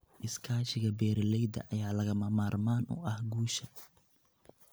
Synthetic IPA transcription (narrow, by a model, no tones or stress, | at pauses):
ʔɪskʰaːʃɪɣɐbɛːɾlɛjd̪ɐ̰ʔɐjaːlɐɣɐmɐmaːrmaːnɔ̰ːʔɐhɡuːʃɐ